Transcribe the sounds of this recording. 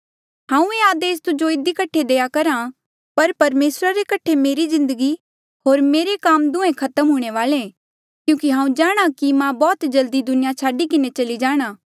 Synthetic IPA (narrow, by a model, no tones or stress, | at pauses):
ɦãːũeaːd̪eːs̬t̪ʊd͡ʒoɪd̪ikɐʈʰːed̪eːjakɐɾã | pɐɾpɐɾmeːsɾaɾekɐʈʰːemeːɾizɪ̃nd̪əɡi | ɦoːɾmeːɾekaːmd̪ʊ̃ẽkʰɐt̪əmɦʊːɽ̃eʋaːle | kjũːkiɦãːũd͡ʒaːɽ̃akimãbɔːt̪d͡ʒɐld̪id̪ʊnɪjat͡ʃʰaːɖikɪnet͡ʃɐlid͡ʒaːɽ̃aː